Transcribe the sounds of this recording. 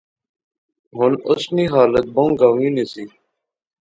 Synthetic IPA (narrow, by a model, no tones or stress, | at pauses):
ɦʊnʊsniːɦaːlət̪̚bõŋɡaːʋĩːnisiː